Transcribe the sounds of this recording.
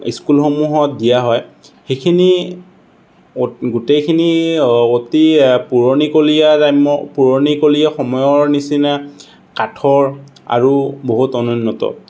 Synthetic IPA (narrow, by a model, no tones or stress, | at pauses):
ḭskulxomuɦɔt̚dijaɦɔj | xekʰini | oɡutejkʰiniotipuɹonikolijatajmɔpuɹonikolijaxɔmɔjɔɹnisina | katʰɔɹa̰ɹuboɦutɔnɔnːɔtɔ̰